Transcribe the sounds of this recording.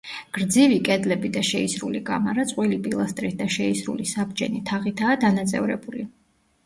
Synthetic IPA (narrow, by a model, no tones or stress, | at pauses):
ɡ̥ɾd̪zivikʼɛd̪lɛbid̪aʃɛisɾuliɡa̰maɾat̪sʼqʼwilipʼilˠast̪ʼɾit̪̚ʰd̪aʃɛisɾṵlisabd͡ʒɛ̰nit̪ʰaʁit̪ʰaːd̪anat̪sʼɛ̰vɾɛ̰buli